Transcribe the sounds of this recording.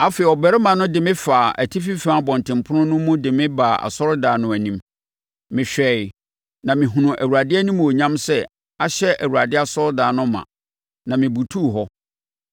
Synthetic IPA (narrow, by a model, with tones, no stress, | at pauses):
a˨fe˨ɔ˨bɛ˨ɾɪ˦mã˨nʊ̃˦dɪ˨mɪ̃˦faː˨ʔæ̰˨tʰi˦fi˦fɾãː˦bɔ̃˨ntʰɪ̃˨mpʰʊ˦nʊ̃˦nʊ̃˦mũ˦dɪ˨mɪ̃˦ba˨a̰˨sɔ˦ɾʊ˦daː˨nʊ̃˨æ˨nĩ˦m | mɪ̃˨ɕᶣɛ˨ɪ˨ | nã˨mɪ̃˨ɦũ˨nʊ̃˨ʔæ˨wu˨ɾa˨dɪ˦ɛ˦nĩ˦mũ˨o˨ɲã˦msɛ˦ | a˨ɕɛ˦ʔæ˨wuɾa˨dɪ˦a˨sɔ˦ɾdaː˨nʊ̃˦mːã̰˨ | nã˨mɪ̃˨bu˨tʰu˦˨ɦɔ˦